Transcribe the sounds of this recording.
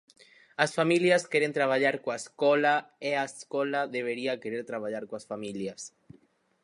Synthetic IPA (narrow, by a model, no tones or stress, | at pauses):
asfamiljaskeɾent̪ɾaβ̞aʎaɾkoaeskolaeaeskolaðeβeɾiakeɾeɾt̪ɾaβ̞aʎaɾkoasfamiljas